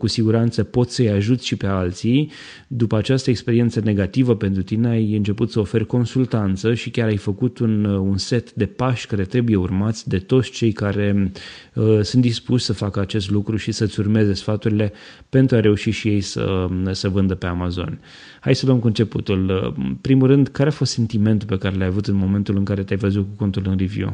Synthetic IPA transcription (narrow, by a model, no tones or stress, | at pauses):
kusiɡuɾant̪səpo̞t̪sʲsəjaʒut̪ʲʃipe̞alt̪sij | d̪upəat͡ʃast̪əekspe̞ɾie̞nt̪səne̞ɡat̪ivəpe̞nt̪ɾut̪ineajɨnt͡ʃe̞put̪səofe̞rko̞nsult̪ant̪səʃikʲaɾajfəkut̪ununse̞t̪d̪e̞paʃkaɾe̞t̪ɾe̞buje̞urmat̪sʲd̪e̞t̪o̞t̪sʲt͡ʃe̞jkaɾe̞ | sunt̪d̪ispuʃʲsəfakəat͡ʃe̞st̪lukɾuʃisət̪sʲurme̞ze̞sfat̪uɾile̞ | pe̞nt̪ɾuaɾe̞uʃiʃije̞jsə̰səvɨnd̪əpe̞amazo̞̰n | ha̰jsəluəmkuɨnt͡ʃe̞put̪uləpɾimulɾɨnd̪kaɾeafo̞st̪se̞nt̪ime̞nt̪ulpe̞kaɾe̞lajavut̪ɨnmo̞me̞nt̪ulɨŋkaɾe̞t̪ʲajvəzut̪̚kuko̞nt̪ulɨnrivjṵ